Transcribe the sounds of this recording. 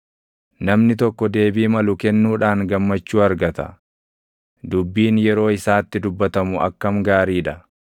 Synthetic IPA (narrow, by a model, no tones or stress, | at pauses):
nɐmnɪt̪ɔkːɔd̪e̞ːbiːmɐlʊkɛnːuːᶑaːŋɡɐmːɐt͡ʃːuːɐɾɡɐt̪ɐ̥̰ | d̪ʊbːiːnjɛɾo̞ːɪsaːt̪ːɪd̪ʊbːɐt̪ɐmʊɐ̰kːɐmɡaːɾiːᶑɐ